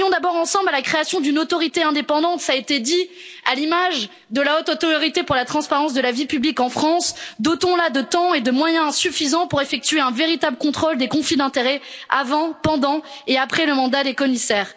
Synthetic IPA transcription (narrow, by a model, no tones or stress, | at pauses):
ɔ̃d̪abɔʁɑ̃sɑ̃blalakχeasjɔ̃d̪ynot̪ɔʁit̪eɛ̃d̪epɑ̃d̪ɑ̃t̪saet̪ed̪ialimaʒ | d̪əlaot̪ɔt̪ɔʁjɔʁit̪epuʁlat̪χɑ̃spaʁɑ̃sd̪əlavipyblikɑ̃fχɑ̃sd̪ot̪ɔ̃lad̪ət̪ɑ̃ed̪əmwajɛ̃syfizɑ̃puʁefɛk̚t̪yɥeɛ̃veʁit̪abləkɔ̃t̪χold̪ekɔ̃flid̪ɛ̃t̪eʁɛavɑ̃pɑ̃d̪ɑ̃eapχɛləmɑ̃d̪ad̪ekɔmisɛːʁ